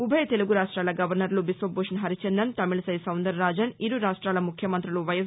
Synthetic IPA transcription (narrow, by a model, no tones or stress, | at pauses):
ubʱɐjɐt̪eluɡuɾaːʂʈɾaːlɐɡɐʋɐɾnɐɾlubisʋɐboːʂɐnɦɐɾit͡ʃend̪ɐnt̪ɐmiɭsɐjsɐwnd̪ɐɾːaːd͡ʒɐniɾuɾaːʂʈɾaːlɐmukʰjɐmɐnt̪ɾiluʋɐjɐ